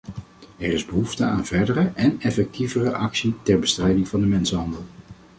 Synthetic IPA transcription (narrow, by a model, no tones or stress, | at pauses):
ɛrɪzbəɦuftəaːnvɛɹdərəʔɛnɛfɛk̚tivərəʔɑksitɛɹbəstrɛjdɪŋvɑndəmɛnsənɦɑndəlˠ